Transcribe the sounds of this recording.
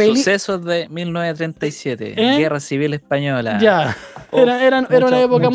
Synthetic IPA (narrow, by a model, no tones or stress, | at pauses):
eusesozðemilnweβet̪ɾent̪ajsjet̪ḛeɡerasiβilespaɲola̰jaeɾaeɾaneɾaunaepokam